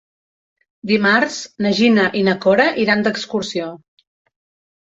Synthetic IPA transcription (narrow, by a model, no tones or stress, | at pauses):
d̪imaɾznəʒinəʔinəkoɾəʔiɾand̪əkskuɾsio